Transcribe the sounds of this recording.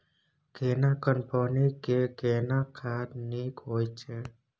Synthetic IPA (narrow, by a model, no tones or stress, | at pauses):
ɡeːnaːkəmpəːnikeɡeːnakʰaːɾniːkɦoːjt͡ʃʰeː